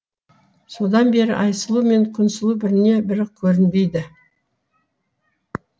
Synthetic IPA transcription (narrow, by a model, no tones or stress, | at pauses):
so̞d̪ɑnbe̞ɾɪ̰ʔɑjsəlˠume̞ŋkʲʰʏnsɪlˠubɪɾɪne̞bɪɾɪkʲʰɵɾɪnb̪e̞jd̪ɪ